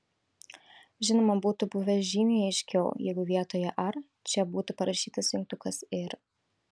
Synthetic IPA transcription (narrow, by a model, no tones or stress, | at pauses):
ʒʲɪnɔmɐbut̪ʊbʊʋʲɛʒʲimʲiɪʃkʲɛʊjɛɡʊʋʲjaːt̪ɔjɛʔaɾ | t͡ʃʲɛbuːt̪ʊpɐɾɐʃʲiːt̪ɐsʲɪŋk̚t̪ʊkɐseɾ